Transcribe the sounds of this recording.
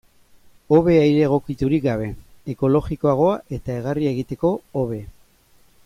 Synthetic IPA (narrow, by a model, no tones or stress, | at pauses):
o̞βe̞ajɾe̞ɣ̞o̞kit̪uɾik̚ɡaβe̞eko̞lo̞ɣiko̞aɣ̞o̞aʔe̞t̪ae̞ɣ̞arie̞ɣ̞it̪e̞ko̞oβe̞